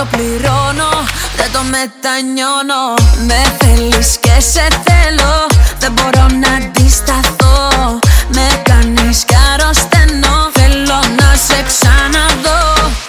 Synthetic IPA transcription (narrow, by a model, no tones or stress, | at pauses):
opliɾono | d̪et̪omet̪aɲonomefeliskeseθeloðeboɾonad̪ist̪aθo | mek̪aniskaɾost̪enːofelonaseksanaðo